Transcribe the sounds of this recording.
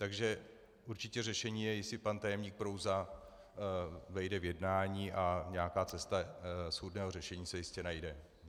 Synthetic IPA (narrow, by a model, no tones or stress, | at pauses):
t̪aɡʒɛ | ʔuɾt͡ʃɪcɛrɛʃɛɲiːjɛjɪsɪpant̪ajɛmɲiːk̚pɾowza | vɛjdɛvjɛdnaːɲiːʔaɲɛakaːt͡sɛst̪asxudnɛːɦorɛʃɛɲiːsɛjɪscɛnajdɛ